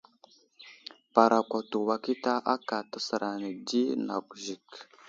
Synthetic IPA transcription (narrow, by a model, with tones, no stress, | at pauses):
pa˨ɾa˨kʷa˨tu˨wa˨ki˦ta˦ʔa˦ka˨ta˨sə˨ɾa˨nə˨di˦na̰˨kʒi˨k